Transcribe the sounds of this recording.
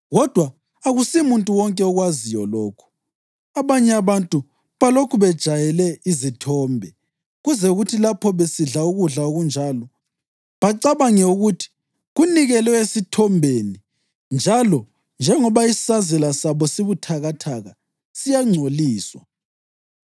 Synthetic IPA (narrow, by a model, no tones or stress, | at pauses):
ɣɔd̥ʱwaː | ɣusimuntʼuwɔŋkʼɛɔɣwazijɔ̰lɔːkʰu̥ | aβaɲɛaβantʼu | βalokʰuβɛd̥ʒ̥ʱajɛlɛizitʰɔːmbʱɛ | ɣuzɛuɣutʰilapʰɔβesiɮauɣuɮaoɣund͡ʒʱalɔ | βaǀaβaŋɛuɣutʰi̥ | ɣuniɣɛlwɛesitʰɔmbʱeni | nd͡ʒʱalɔ | nd͡ʒʱɛŋɔβaisi̥sazɛlasaβɔsiβutʰaɣatʰaɣa | sijaŋ͡ǀʱoliːswa̰